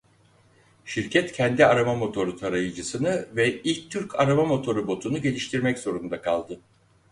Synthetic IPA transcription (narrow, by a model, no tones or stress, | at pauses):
ʃiɾcʰɛt̪cʰɛnd̪iaɾamamo̞t̪ʰo̞ɾut̪ʰaɾajɯd͡ʒɯsɯnɯvɛilʲc̚t̪ʰyɾcʰaɾamamo̞t̪ʰo̞ɾubo̞t̪ʰunuɟe̞lʲiʃt̪ʰiɾmɛcz̥o̞ɾund̪akʰalˠd̪ɯ